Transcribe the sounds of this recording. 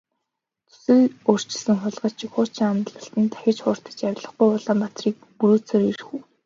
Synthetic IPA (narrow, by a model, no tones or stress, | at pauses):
t͡sʰu̥sɘ̆ɮor̥t͡ɕɪ̆ɮsɘ̆ŋχʊɮʁə̆ɮt͡ɕʰikχʊːt͡ɕʰĭŋamt̪ɮə̆ɬt̪ɘ̆nt̪ʰæ̥xʲɪ̆t͡ɕχʊːr̥t̪ə̥̆t͡ɕawʲɪ̆ɮə̆χɡujɔɮaːmpat̪riːk̚puɾuːt͡seɾirxuː